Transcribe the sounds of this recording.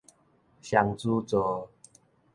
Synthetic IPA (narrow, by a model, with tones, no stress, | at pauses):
ɕja˧ŋt͡su˦t͡sɔ˨˦